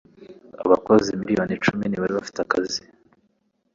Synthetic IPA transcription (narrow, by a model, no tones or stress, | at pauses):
a̰βakozimiɾijonit͡ʃuminiβaɾiβafi̥takazi